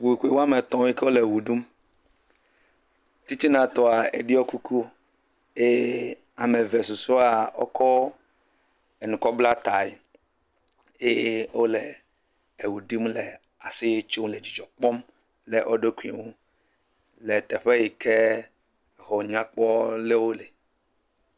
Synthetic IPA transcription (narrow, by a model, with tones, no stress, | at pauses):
wu˨i˨ku˦e˨wo˦a˦me˨t̪ɔ̃˦i˦ke˦o˦le˨wu˨ɖu˦m | t̪i˦t̪i˦nã˨t̪ɔ˨a˨ḛ˨ɖi˦o˦ku˦kʰu˦ | e˦ | a˨me˨ve˨su˨so˦a˨o̰˦kʰɔ˦ | e˨nũ˨kɔ˦bla˦t̪a˨i˨ | je˦wo˦le˨ | e˨wu˨ɖi˦mlɛ˨ | a˨sɪ˦je˦t͡ʃo˦m˦le˨d͡ʑi˨d͡ʒɔ˨k͡pɔ˦m | le˨ʔo˦ɖe˦ku˨ŋũ˦ | le˨t̪ɛ˨ɸe˦ji˨kʰe˦˨ | ɦɔ˨ɲã˦k͡pɔ˦le˦wo˦le˨